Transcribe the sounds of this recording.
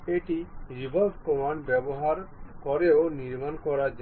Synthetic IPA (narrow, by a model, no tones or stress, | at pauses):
eʈiɾibʱɔbʱkɔmanbɛboɦaɾkɔɾeoniɾmankɔɾad͡ʒ